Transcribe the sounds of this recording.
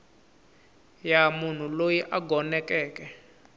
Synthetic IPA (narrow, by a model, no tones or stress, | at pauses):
jamun̤ulojiʔaɡʱɔnɛkɛːkɛ